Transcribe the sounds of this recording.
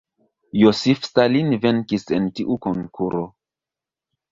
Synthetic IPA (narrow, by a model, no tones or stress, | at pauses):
josifstalinvenkise̞ntiʔukoŋkʰuɾo